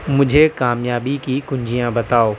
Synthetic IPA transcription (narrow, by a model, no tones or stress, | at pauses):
mʊ̃d͡ʑʱekaːmjaːbikikʊ̃ɲd͡ʑijãbɐt̪aːoː